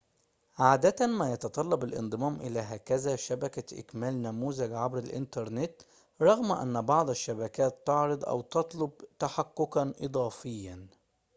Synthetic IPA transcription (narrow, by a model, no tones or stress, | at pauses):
ʕaːd̪æt̪æmæːjɑt̪ɑt̪ˤɑlːɑbɪlʔɪ̰nd̪ˤɨmæːmʔɪlæːɦæːkæzæːʃæbækæʔɪ̰kmæːlnæmuːzɪɡʕabɾalʔɪ̰nt̪ɑɾˤnɪt̪ | ɾˤɑɣmʔæ̰nːbɑʕd̪ˤaʃːæbækæːt̪ːɑʕɾɑd̪ˤʔæ̰wt̪ɑt̪ˤlʊb̚t̪aħakːʊkanʔɨd̪ˤɑːfɪjːæn